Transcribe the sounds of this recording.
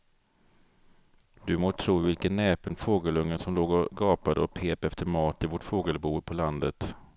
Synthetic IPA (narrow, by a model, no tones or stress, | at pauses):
d̪̥ɵmoːt̪ʰɾuːvɪlkənːɛːpənfoːɡəlɵŋːənsɔmloːɡɔɡɑːpad̪əɔpʰeːpɛft̪əɾmɑːt̪ɪvɔʈfoːɡəlbuːpʰɔland̪ət̪